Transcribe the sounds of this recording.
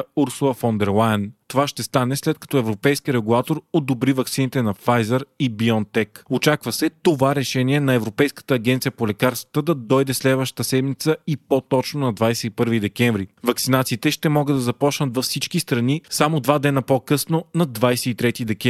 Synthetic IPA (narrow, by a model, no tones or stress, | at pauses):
uɾsulˠəfond̪ɛɾlˠajənt̪ovaʃt̪ɛst̪anɛslɛt̪̚kɐ̥t̪ɔɛvɾopɛjskiəɾɛɡulˠat̪oɾod̪obɾivɐk̚tsinit̪ɛnɐfajzɛɾibiɔnt̪ɛkot͡ʃakvəsɛt̪ovaɾɛʃɛniɛnɐɛvɾopɛjskə̥t̪əːɡ̟ʲɛnt̪sijəpolɛkaɾst̪və̥t̪əd̪ɐd̪ɔjd̪ɛslɛd̪vəʃt̪ə̥t̪əsɛmit̪səipot̪ɔt͡ʃnonɐd̪vajsɛipɤɾvid̪ɛkʲɛɱvɾivɐksinat̪siːt̪ɛʃt̪ɛmɔɡəd̪ɐzɐpɔt͡ʃnət̪vɐfsit͡ʃkist̪ɾɐnisamod̪vad̪ɛnəpokɤsnonɐd̪vajsɛit̪ɾɛt̪id̪ɛkʲɛ